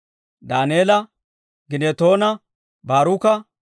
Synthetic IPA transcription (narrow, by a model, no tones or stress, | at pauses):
d̪aːneːlɐ | ɡɪneːt̪o̞ːnɐ | baːɾukɐ